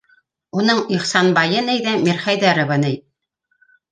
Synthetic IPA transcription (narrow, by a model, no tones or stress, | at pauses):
unɤɴiχsɑnbɑjɤnɘjðæmiɾχæjðæɾɤ̆βɤnɘj